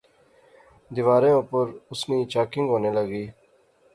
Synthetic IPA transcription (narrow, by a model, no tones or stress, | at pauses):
d̪ɪʋaːɾẽːõpəɾʊsniːt͡ʃaːkɪ̃ŋɡɦoːneːləɡiː